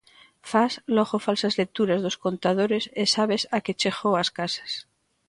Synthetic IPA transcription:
fasloxofalsazlek̚t̪uɾazðosko̞nt̪að̞oɾesesaβesaket͡ʃexowaskasḁs

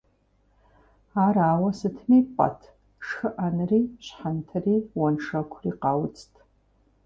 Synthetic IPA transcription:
aɾaːwɐsɨtʰmipʷʼa̰tʰ | ʂxɨʔanriɕħantʰɐriːwɐnʂɐkʷʰriqawt͡sʰʼtʰʼ

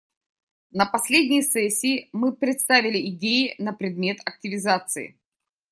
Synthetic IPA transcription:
nəpɐsʲlʲedʲnʲɪjəsɛsʲːɪːmɨpɾʲɪt̪st̪avʲɪlʲɪɪdʲejɪnəpɾʲɪd̪mʲe̞t̪ɐk̚tʲɪvʲɪzat̪sɨ̰ɪ̰

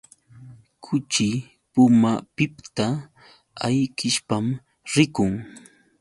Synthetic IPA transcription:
kʰʊt͡ʃɪ | pʊmapɪpt̪a | ajkɪʃpam | ɾɪkʊŋ

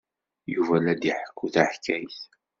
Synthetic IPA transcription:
juvælæd̪iħəkʷːuθaħkʰːæjθ

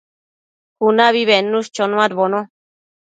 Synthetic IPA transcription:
kunãβiβenũʃt͡ʃonũãɾβonõ

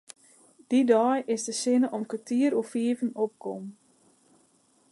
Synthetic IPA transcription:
d̥idɔjʔɪsdəsɪnəʔɔmkətiəɾufiəvənop̚kʰɔm

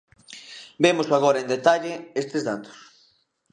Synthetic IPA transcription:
bemosaɣɔɾaẽnd̪et̪aʎɪest̪ezðat̪o̥s

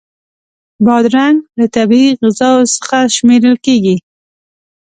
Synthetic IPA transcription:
bɑd̪ɾaŋɡlat̪abiɣɪzɑwsə̥xaʃmeɾəlkeɡi

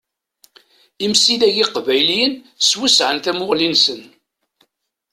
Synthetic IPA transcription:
imsiðæʝiqvæjliən | swisʕənθæmʊʁlinsən

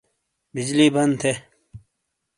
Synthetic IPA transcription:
bid͡ʑliːbɐnd̪t̪ʰe

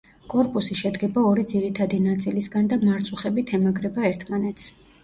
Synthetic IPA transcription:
kʼɔɾpʼusiʃɛd̪ɡɛbaɔɾid̪ziɾit̪ʰad̪inat̪sʼilisɡand̪amaɾt̪sʼuχɛbit̪ʰɛmaɡɾɛbaɛɾt̪ʰmanɛt̪s

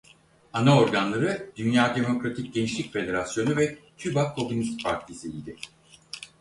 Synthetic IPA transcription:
anao̞ɾɡanlˠaɾɯd̪̥ynjaːd̪e̞mo̞kɾat̪ʰic̚ɟe̞niʃlʲicfe̞d̪e̞ɾasjo̞nuvɛt̪ʰybakʰo̞munist̪pʰaɾt̪ʰisiːd̪ɪ

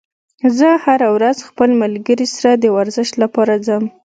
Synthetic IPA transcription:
zəhaɾawɾazxpəlmalɡəɾisaɾad̪əwaɾzəʃt̪lapɑɾazəm

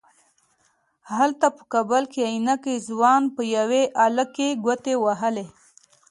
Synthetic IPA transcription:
halt̪apə̥kabəlkeainakəizwɑnpəjaweʔaləkeɡət̪ewaɦəle

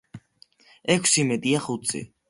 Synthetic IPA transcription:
ɛkʷʰsimɛd̪iaχut̪sʰʼḭ

